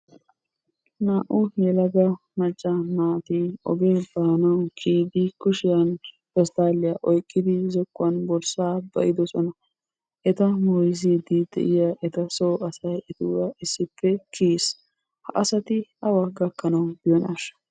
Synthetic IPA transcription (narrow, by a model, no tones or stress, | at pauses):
naːʔʊhɛlɐɡɐ | mɐt͡ʃʼːɐnaːt̪ɪɔ̰ɡeːbaːnɐwkʰiːd̪ɪkʊʃɪjɐn | bɛst̪aːlɪjaːʔɔjkʼːɪd̪ɪzɔkːʊɐnbɔlsaːbɐ̰ʔɪd̪ɔsɔnɐ | ʔɛt̪ɐmɔjziːd̪ɪd̪̥ɛ̰ʔɪjaːʔɛt̪ɐsoːɐsɐjɪt̪uwɐʔɪsːɪpːɛkʰiːs | hɐʔɐsɐt̪ɪɐwɐɡɐkːɐnɐwbɪjɔnɐʃɐ̥